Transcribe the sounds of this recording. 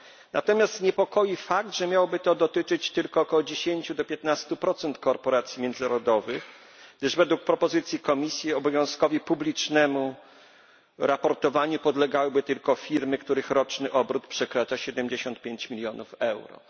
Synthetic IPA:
nʔa̰t̪ɔmʲjast̪ɲɛpɔkɔjifakt̪ʐɛmʲjawɔbɘt̪ɔd̪ɔt̪ɘt͡ʂɘt͡ɕt̪ɘlkɔːkɔwɔd͡ʑeɕeɲt͡ɕud̪ɔpʲjɛt̪nast̪upɾɔt̪sɛnt̪kɔɾpɔɾat̪sʲjimʲjɛnd̪zɨnaɾɔd̪ɔvɘx | ɡ̚d̪ɘʐvɛd̪wuk̚pɾɔpɔzɘt̪sʲjikɔmʲisʲjiɔbɔvʲjɔ̃w̃skɔvʲipublʲit͡ʂnɛmu | ɾapɔɾt̪ɔvaɲupɔd̪lɛɡawɘbɘt̪ɘlkɔfʲiɾmɘkt̪uɾɘxɾɔt͡ʂnɘʔɔbɾut̪pʂɛkɾat͡ʂaɕɛd̪ɛmd͡ʑeɕɔnt̪̚pʲeɲt͡ɕmʲilʲjɔnufɛwɾɔ̰

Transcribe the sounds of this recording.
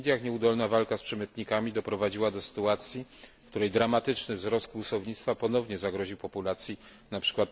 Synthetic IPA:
d̪ʲjaxɲɛud̪ɔlnavalkaspʂɛmɘt̪ɲikamʲid̪ɔpɾɔvad͡ʑiwad̪ɔsɘ̥t̪uat̪sʲjifkt̪uɾɛjd̪ɾamat̪ɘt͡ʂnɘvzɾɔst̪̚ɡusɔvɲit̪st̪fapɔnɔvɲɛzaɡɾɔʑiwpɔpulat̪sʲji | napʂɘ̥kwat̪̚

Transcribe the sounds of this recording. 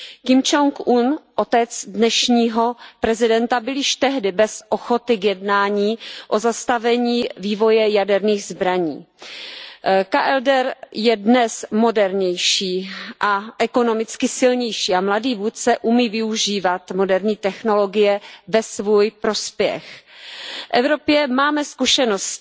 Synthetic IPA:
kɪmt͡ʃoŋkʔunʔot̪ɛt͡sdnɛʃɲiːɦo̞pɾɛzɪdɛnt̪abɪljɪʃt̪ɛɦdɪbɛsʔoxo̞t̪ɪkjɛdnaːɲiːʔozast̪avɛɲiːviːvo̞jɛjadɛɾniːɣzbɾaɲḭː | kaʔɛldɛɾjɛdnɛsmo̞dɛɾɲɛjʃiːʔaʔɛko̞no̞mɪt͡skɪsɪlɲɛjʃiːamladiːvuːt̪̚t͡sɛʔumiːvɪuʒiːvat̪mo̞dɛɾɲiːt̪ɛxno̞lo̞ɡɪjɛvɛsvuːjpɾo̞spjɛ̰x | ʔɛvɾo̞pjɛmaːmɛskuʃɛnost̪

